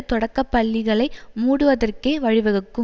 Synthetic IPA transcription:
t̪ɔɽɐkːɐpːɐɭːɪɣɐɭɐɪmuːɽɯʋɐðɐrkeːʋɐɻɪʋɐɣɯkːɯ

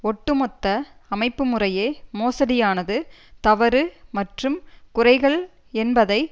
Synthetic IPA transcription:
ɔʈːɯmɔt̪ːɐɐmɐɪpːɯmɯrɐjeːmoːsɐɽɪjaːnɐðɯt̪ɐʋɐɾɯmɐʈrɯmkʊrɐɪɣɐɭ | ɛnbɐðɐɪ

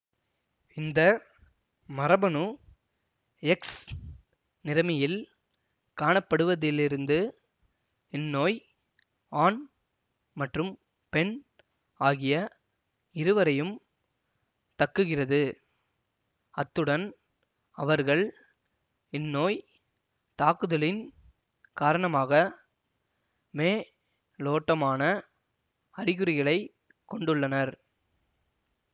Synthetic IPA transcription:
ɪnd̪ɐ | mɐɾɐbɐnu | ɛks | nɪɾɐmɐjɪl | kaːɳɐpːɐɽɯʋɐðɪlɪɾɯnd̪ɯ | ɪnːoːj | aːn | mɐʈrɯm | pɛn | aːɣɪjɐ | ɪɾɯʋɐɾɐjɯm | t̪ɐkːɯɣɪrɐðɯ | ɐt̪ːɯɽɐn | ɐʋɐɾɣɐɭ | ɪnːoːj | t̪aːkɯðɐɭɪn | kaːɾɐɳɐmaːɣɐ | meː | loːʈːɐmaːnɐ | ɐɾɪɣɯɾɪɣɐɭɐɪ | kːɔɳɖɯɭːɐnɐɾ

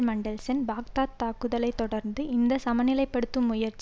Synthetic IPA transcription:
mɐɳɖɐlsɐnbaːk̚t̪aːt̪ːaːkɯðɐlɐɪt̪ːɔɽɐɾnd̪ɯɪnd̪ɐsɐmɐnɪlɐɪpːɐɽɯt̪ːɯmːʊjɐɾt͡ʃː

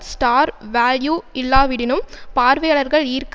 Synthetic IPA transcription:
sʈaːɾʋaːljuɪlːaːʋɪɽɪnɯmpaːɾʋɐjɐɭɐɾɣɐɭiːɾk

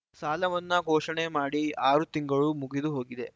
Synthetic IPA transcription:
saːlɐʋɐnːɐɡʱoːʂɐɳemaːɽiaːɾut̪iŋɡɐɭumuɡid̪uɦo̞ːɡid̪e̞

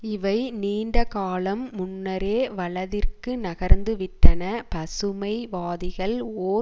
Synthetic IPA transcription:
ɪʋɐɪniːɳɖɐkaːlɐmːʊnːɐɾeːʋɐɭɐðɪrkɯnɐɣɐɾnd̪ɯʋɪʈːɐnɐpɐsɯmɐɪʋaːðɪɣɐɭoː

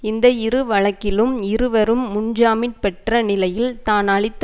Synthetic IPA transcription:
ɪnd̪ɐɪɾɯʋɐɭɐkːɪlɯmɪrɯʋɐɾɯmːʊɲd͡ʒaːmɪnpɛʈrɐnɪlɐjɪlt̪aːnɐɭɪt̪ː

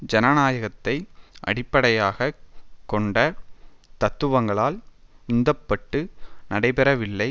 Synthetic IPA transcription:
d͡ʒɐnɐnaːjɐɣɐt̪ːɐɪʔɐ̰ɽɪpːɐɽɐjaːɣɐkɔɳɖɐt̪ɐt̪ːɯʋɐŋɡɐɭaːlʊnd̪ɐpːɐʈːɯnɐɽɐɪpɛɾɐʋɪlːɐɪ

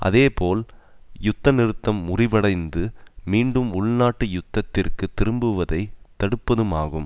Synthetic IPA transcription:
ʔɐ̰ðeːpoːl | jʊt̪ːɐnɪɾɯt̪ːɐmːʊrɪʋɐɽɐɪnd̪ɯmiːɳɖɯmʊɭnaːʈːɯjʊt̪ːɐt̪ːɪrkɯt̪ɪɾɯmbɯʋɐðɐɪt̪ɐɽɯpːɐðɯmaːɣɯm

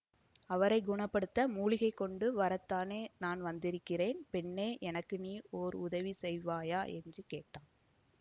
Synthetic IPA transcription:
ɐʋɐɾɐɪɡʊɳɐpːɐɽɯt̪ːɐmuːɭɪɣɐɪkːɔɳɖɯʋɐɾɐt̪ːaːneːnaːnʋɐnd̪ɪɾɯkːɪreːnpɛɳːeːʔɛnɐkːɯniːoːɾʊðɐʋisɛjʋaːjaːʔɛndrɯkeːʈːaːn

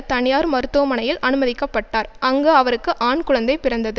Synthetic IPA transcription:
t̪ɐɳɪjaːɾmɐɾɯt̪ːoɐmɐɳɐjɪlʔɐnɯmɐðɪkːɐpːɐʈːaːɾɐŋɡeɐʋɐɾɯkːɯʔaːnkʊɻɐnd̪ɐɪpɪɾɐnd̪ɐðɯ

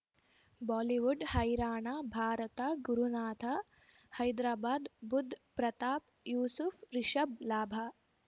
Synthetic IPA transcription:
bɔːliʋuɖhɐjɾaːɳaːbʱaːɾɐt̪aɡuɾunaːt̪ʰa | hɐjd̪ɾaːbaːd̪bud̪ʱːpɾɐt̪aːp | juːsufɾiʃɐblaːbʱa

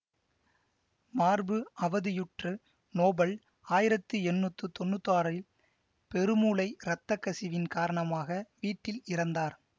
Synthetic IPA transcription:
maːɾbɯʔɐʋɐðɯjʊʈrɯ | noːbɐɭ | aːjɪɾɐt̪ːɯɛnːut̪ːɯt̪ɔnːɯt̪ːaːɾɐɪl | pɛɾɯmuːlɐɪɾɐt̪ːɐkːɐsɪʋɪnkaːɾɐɳɐmaːɣɐʋiːʈːɪlɪɾɐnd̪aːɾ

